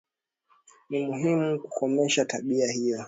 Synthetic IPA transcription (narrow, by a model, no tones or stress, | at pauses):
nimuɦimukukɔmɛʃataɓiahijɔ